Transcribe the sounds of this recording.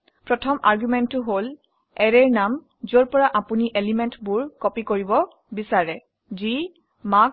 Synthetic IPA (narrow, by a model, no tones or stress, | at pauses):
pɹɔtʰɔmʔaɹɡjumɛntːʊɦol | ɛɹɛɹnam | zoɹpɔɹaʔapuniʔelimɛntbuɹkɔpikoɹibɔ | bisaɹɛ | zi | mak